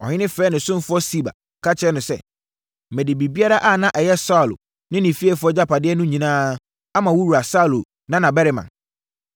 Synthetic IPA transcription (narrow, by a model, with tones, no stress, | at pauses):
ɔ̰˨hɪ̃˦nɪ̃˦fɛː˦nɪ̃˨sʊ̃˦m˦fʊ˦ɔ˦si˦ba̰˨ | kʰa˦t͡ɕʰɪ˦ɛ˦nʊ̃˨˦sɛ̰˦ | mɛ˨di˨bi˨bi˦a˦ɾa˦ʔa˦˨nã˦ʔɛ˨jɛ˦sa˦˨lʊ̰˨ | nɪ̃˦nɪ̃˨fi˦ɛ˦fʊ˨˦ɔ˦d͡ʑa˦pa˨dɪ˦ɛ˦nʊ̃˦ɲĩ˨nãː˦ | a˦mã˨wu˦wu˨ɾa˨sa˦˨lo˨ | nã˦nã˨bɛ˦ɾɪ˨mã̰˨n